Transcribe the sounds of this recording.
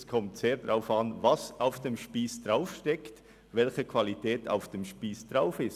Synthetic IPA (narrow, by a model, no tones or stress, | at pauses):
skʰɔmtseːdʁaʊfɑnvɑsaʊfd̥emʃpiːsd̥ʁaʊfʃtɛkt | vɛlçəkv̥alitʰɛːtʰa̰ʊfd̥emʃpiːsd̥ʁaʊfɪst